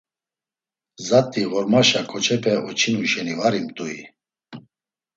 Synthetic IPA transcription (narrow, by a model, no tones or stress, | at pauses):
zat̪ʼːiʁɔɾmaʃakʼɔt͡ʃʰʼɛpʰɛʔɔt͡ʃʰinuʃɛnivaɾimt̪ʼui